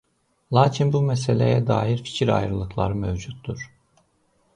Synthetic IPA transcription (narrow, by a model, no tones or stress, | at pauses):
lˠaːcʰinbumɛselʲḛjɛd̪a̰ːjiɾfi̥cʰiɾa̰jɾɯlˠɯklˠa̰ɾɯmevd͡ʒut̪ʰːuɾ̥